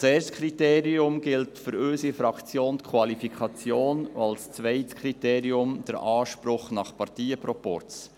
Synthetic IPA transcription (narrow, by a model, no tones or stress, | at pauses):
seːɾstkʰɾiteːɾiʊmɡɪltfʏɾøsifɾɑkt͡sjoːnt̪kʰwɑlifikʰɑt͡sjoːn̰ɑlst͡svɛɪtkʰɾiteːɾiʊmd̥əɾʔɑːʃpɾʊχnɑχpɑɾtiːəpɾɔpɔ̰ɾt͡s